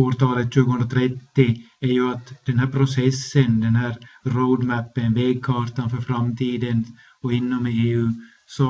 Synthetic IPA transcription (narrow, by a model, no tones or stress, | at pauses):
oːɾʈ̪ʰɑːlət̪ɕʉ̟ːɡəhɵnɾat̪ʰɾɛt̪ːɪ | æɾjɵat̪d̪̥ɛnɦæːɾpʰɾʊsɛsːənd̪ɛnɦæːɾɾoʊd̪mæpːənveːɡ̚kʰɑːt̪anfœɾfɾamt̪ʰiːd̪ən | ɔɪnːɔmɪeːʉ̟ː | sɔ